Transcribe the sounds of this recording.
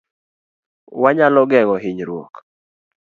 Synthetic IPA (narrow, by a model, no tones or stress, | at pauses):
waɲalɔɡɛŋɔɦɪɲɾwo̰k